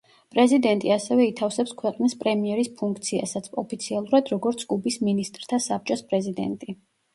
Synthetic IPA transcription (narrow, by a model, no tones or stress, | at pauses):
pʼɾɛzid̪ɛnt̪ʼiasɛvɛit̪ʰafsɛpskʰwɛqʼnispʼɾɛmiɛɾispʰuŋk̚ʰt̪sʰia̰sat̪sʰɔpʰit̪sʰialˠuɾad̪ɾɔɡɔɾt̪sʰkʼubisminist̪ʼɾt̪ʰasap̚t͡ʃʼɔspʼɾɛzid̪ɛ̰nt̪ʼi